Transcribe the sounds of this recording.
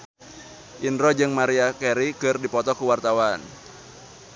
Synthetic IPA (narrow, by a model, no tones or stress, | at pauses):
ʔindɾɔd͡ʒɨŋmaɾiakɛɾikɨrdipɔt̪ɔkuwart̪awan